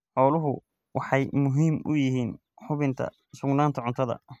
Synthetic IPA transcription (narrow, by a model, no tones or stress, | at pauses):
ħɔːlʊɦʊ | wɑħɑjmʊɦiːmʊ̰jɪɦiːn | ħʊβɪnt̪ʰɐ̰ | sʊɡnaːnt̪ʰɐʕʊnt̪ʰɐðɐ̰